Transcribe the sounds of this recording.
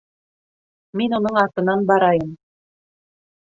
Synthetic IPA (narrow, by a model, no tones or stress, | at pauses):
minunɤɴɑɾt̪ɤ̆nɑnbɑɾɑjɤm